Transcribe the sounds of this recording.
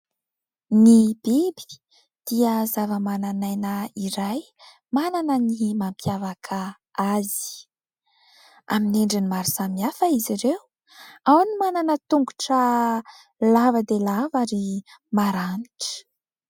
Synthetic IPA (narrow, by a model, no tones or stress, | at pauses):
nibibi̥ | d̪̥iəzavəmananajnəiɾaj | mananənimampʰjavakʰə | azi̥ | a̰miniɳɖ͡ʐinimaɾiz̥amiafəiziɾew | awnimananət̪uŋɡuʈ͡ʂə | lavəd̪elavaɾimaɾaniʈ͡ʂə̥